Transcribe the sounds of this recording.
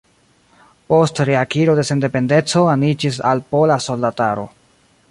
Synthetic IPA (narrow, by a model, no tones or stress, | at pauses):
po̞stɾeakiɾo̞de̞se̞nde̞pe̞nde̞t͡so̞anid͡ʒis̬alpo̞laso̞ldataɾo̞̰